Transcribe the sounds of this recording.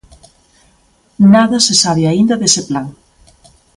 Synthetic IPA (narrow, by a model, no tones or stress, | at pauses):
naðɐsesaβeaind̪aðeseplaŋ